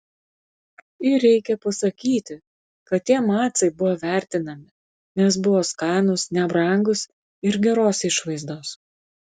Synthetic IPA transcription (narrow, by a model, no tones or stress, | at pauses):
ɪɾʲɛɪkʲɛpɐsɐkʲiːt̪ʲɪ | kɐt̪ʲtʲːiɛmɑːt̪sɐɪbʊʋoːʋʲæˑɾʲt̪ʲɪnɐmʲɪ | nʲɛs̬bʊʋoːskɑˑːnʊsnʲɛbɾɐŋɡʊs | ɪɾɡʲɛɾoːsɪʃʋɐɪzd̪oːs